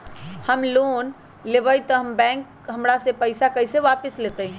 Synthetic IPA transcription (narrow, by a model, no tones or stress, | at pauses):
həmlon | lebəjt̪əɦəmbɛ̃k | ɦəmɾasẽpəjsakəjseʋapislet̪əj